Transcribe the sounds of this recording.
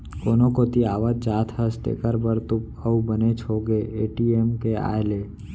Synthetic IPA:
koːnokot̪iaːʋət̪̚d͡ʒaːt̪ʰɦəsʈ̪ḛːkəɾbəɾt̪ʊp | əubənet͡ʃʰoːɡeeːʈiemkea̰ːjleː

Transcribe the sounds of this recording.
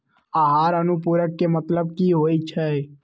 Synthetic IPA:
aɦaːɾənupuːɾəkːemət̪ləb̚kiːɦoːit͡ʃʰɛ

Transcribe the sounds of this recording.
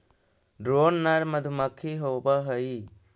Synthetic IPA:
ɖɾonːaɽməd̪ʱuməkʰːiɦobəɦəji

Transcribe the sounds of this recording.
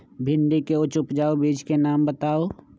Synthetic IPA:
bʱɪ̃ɳɖikeʊt͡ʃʊpd͡ʒaːobiːd͡ʒkenaːmbət̪aːoː

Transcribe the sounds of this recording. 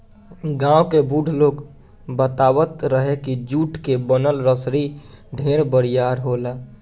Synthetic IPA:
ɡãːwkebuɖʱloːk | bət̪awət̪ɾəɦekid͡ʒuʈkebənəlɾəsɾiɖʱeɾbəɾijaɾɦola

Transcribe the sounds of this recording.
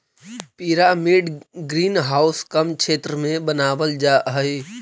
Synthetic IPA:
piːɾamiɖɡɾiːnɦaːʊskəmkʃʰeːt̪ɾəmẽbənaːʋəld͡ʒaːɦəe

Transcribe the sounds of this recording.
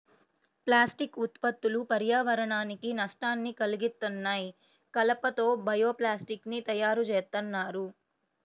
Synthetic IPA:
plaːsʈikut̪pɐt̪ːulupɐɾjaːʋɐɾɐɳaːnikinɐʂʈaːnːikɐliɡist̪ːunːaːj | kɐlɐpɐt̪o̞ːbɐjo̞ːplaːsʈiknit̪ɐjaːɾut͡ʃeːst̪ɐnːaːɾu

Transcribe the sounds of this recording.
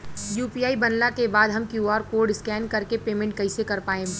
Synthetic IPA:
juːpiaːibɐnlakebaːd̪ɦɐmkjuɔːɾkoːɾɖɪskɛːnkɐɾkepeːmɛ̃ɳʈ̚kɐɪsekɐɾpaːẽː

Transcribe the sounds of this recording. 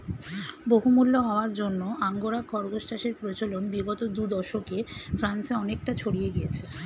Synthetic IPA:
boɦumulːoɦɔoaɾd͡ʑonːoʔaŋɡoɾakʰɔɾɡosʈʰaʃeɾpɾot͡ɕolonbiɡɔt̪od̪ud̪ɔʃokefɾanseɔnek̚ʈat͡ɕʰoɽijeɡijet͡ɕʰe

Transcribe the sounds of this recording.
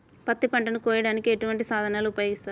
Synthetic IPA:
pɐt̪ːipɐɳʈɐnukɔːjɐɽaːnikie̞ʈuʋɐɳʈisaːd̪ʱɐnaːluːpɐjo̞ːɡist̪aːɾ

